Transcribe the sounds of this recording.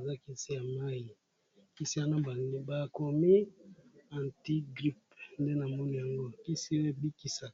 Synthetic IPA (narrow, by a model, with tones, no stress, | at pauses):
za˦ki˦si˦ja˨ma˦i˨ | ki˦si˦ja˨na˦ba˨i˦ba˨ko˨mi˦ | a˨nti˦ɡʁi˦p̚nde˦na˨mɔ˦ni˨ja˨ŋɡo˦ki˦si˦e˦˨bi˦ki˨sa˨